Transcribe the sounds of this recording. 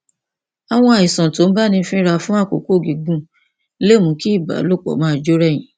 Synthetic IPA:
a˨w̃ɔ̃˧a˨i˨sɔ̃˨to˨˦ba˦˨nĩ˧˦fĩ˦ɾa˧fũ˦a˦˨ko˨ko˦˨ɡi˨ɡ͡bũ˦ | le˦˨mũ˨˦ki˦i˦˨ba̰˨˦lo˦˨k͡pɔ̰˨mãː˨˦˨d͡ʒo˦ɾɛ˦˨jĩ˨˦

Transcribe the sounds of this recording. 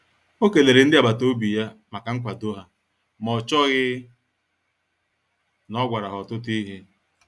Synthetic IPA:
o˦ke˨le˨ɾe˨n̩˦dɪ˦a˨ba˨to˦bi˨ja˦ma˨ka˨ŋ̩˦kʷa˨do˦ɦa˨ | mɔ˨t͡ʃɔ˦ɣɪ˦ | nɔ˦ɡʷa˨ɾa˨ɦɔ˨tʊ˦ti˦ɦe˦

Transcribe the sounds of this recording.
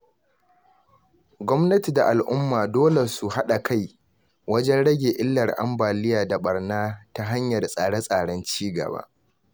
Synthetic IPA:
ɡʷɔ˦mnɐ˦ti˨da˨ʔa˨lʔʊ˦mːaː˨doː˦le˨su˨ha˦ɗa˨kʰa˦˨j | wɐ˦d͡ʒɛ˦nɽɐ˦ɡʲeː˨ʔɪ˦lːɐ˨rʔa̰˦mbaː˨lɪ˦jaː˨da˨ɓɐ˨rnaː˦ta˦ɦa˦ɲjɐ˨rsʼaː˨ɽa˦sʼaː˨ɽɐ˦nt͡ʃiː˦ɡɐ̰˨ba̰ː˦ʔ

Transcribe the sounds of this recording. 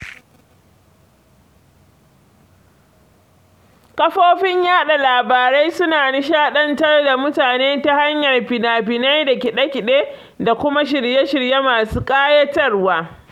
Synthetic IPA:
kɐ˦ɸoː˦ɸɪ˦ɲjaː˦ɗa˨laː˨baː˨ɾa˦jsʊ˦naː˨nɪ˦ʃaː˦ɗɐ˦ntɐ˦rda˨mʊ˦taː˨neː˦ta˦ha˦ɲjɐ˨rɸɪ˨naː˨ɸɪ˨na˦jda˨kʲɪ˨ɗɐ˦kʲɪ˨ɗeː˦ | da˨kʷʊ˦ma˦ʃɪ˨rje˦ʃɪ˨ɾje˦maː˨suː˦kʼaː˦jɐ˦tɐ˦rwaː˦

